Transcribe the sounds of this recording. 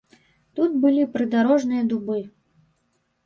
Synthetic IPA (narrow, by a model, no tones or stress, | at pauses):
t̪ut̪̚bɨlʲipɾɨd̪aɾɔʐnɨjɐd̪ubɨ